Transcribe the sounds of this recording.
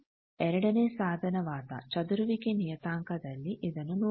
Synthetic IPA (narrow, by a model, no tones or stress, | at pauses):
ɛɾɐɽɐneːsaːd̪ʱɐnɐʋaːd̪ɐ̰t͡ʃɐd̪uɾuʋikenijɐt̪aːŋkɐd̪ɐlːiʔid̪ɐnunu